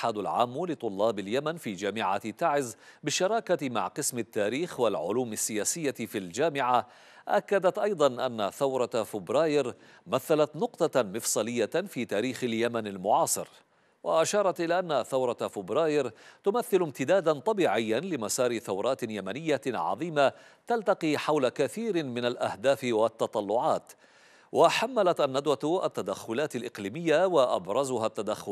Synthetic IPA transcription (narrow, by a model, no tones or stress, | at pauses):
ʔħaːd̪alʕa̰ːmːlɪt̪ˤʊlːɑːbɪljamanfiːd͡ʒaːmɪʕa̰t̪ːaʕɪzbɪʃːɑɾˤɑːkama̰ʕqɨsmɪt̪ːaːɾiːxwalʕʊ̰luːmasːɪjaːsɪjːafild͡ʒaːmɪʕa | ʔakːad̪at̪ʔɑjd̪ˤɑnʔa̰nːaθawɾˤɑfɪbɾˤɑːjɪɾ | maθːalat̪nʊqt̪ˤɑmɪfsˤɑːlɪjːafiːt̪aːɾiːxɪljamanalmʊʕɑːsˤɨ̰ɾ | wa̰ʔaʃɑːɾˤɑt̪ʔɪlaːʔanːaθawɾˤɑfɪbɾɑːjɪɾt̪ʊmaθːɪlʊmt̪ɪd̪aːd̪ant̪ˤɑbiːʕɪjːanlɪmasɑːɾɪθawɾˤɑːt̪ɪjamanɪjːaʕɑ̰ðˤiːma | t̪alt̪ɑqiːħawlakaθiːɾmɪnalʔahd̪aːfɪwat̪ːɑt̪ˤɑlːʊʕɑːt̪ | wʔaħamːalat̪ʔanːad̪waʔa̰t̪ːad̪axːʊlaːt̪alʔɪqliːmɪjːawaʔa̰bɾˤɑzʊɦat̪ːad̪axːʊl